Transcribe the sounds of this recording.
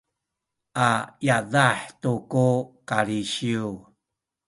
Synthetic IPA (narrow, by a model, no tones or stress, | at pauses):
ʔajaðaħtukukaɾiɕiu